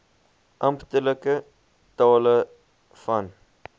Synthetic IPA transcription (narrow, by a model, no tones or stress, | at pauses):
ʔɐmpt̪ələkə | t̪ɔːlə | fɐn